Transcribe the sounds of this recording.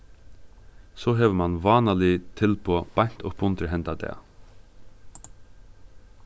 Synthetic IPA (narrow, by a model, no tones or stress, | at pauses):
soːɦeːʋəmɑnʋɑːnəlɪt̪ʰɪlpʰoːb̥ɑɲ̥t̪ʰɔpʰʊnt̪ɾəɦɛnt̪ɑd̪ḛː